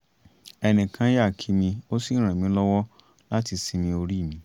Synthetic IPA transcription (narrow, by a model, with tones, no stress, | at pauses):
ɛ˧nĩ˨kã˨˦ja˦˨kʰi˨˧˦mĩ˧o˦si˦ɾ̃ã˨mĩ˨˦lɔ˦wɔ˦ | la˦ti˧si˧mĩ˧o˧ɾi˦˨mĩ˨˦